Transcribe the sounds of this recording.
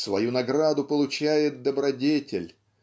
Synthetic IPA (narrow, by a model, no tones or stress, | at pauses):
svɐjunɐɡɾad̪ʊpəlˠʊt͡ɕæjɪt̪̚d̪əbɾɐdʲetʲɪlʲ